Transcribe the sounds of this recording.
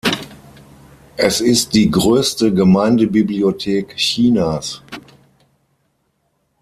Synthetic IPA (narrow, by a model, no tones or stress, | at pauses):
ʔɛsɪst̚d̥iːɡʁøːstəɡəmaɪndəbibliotʰeːkçiːnaːs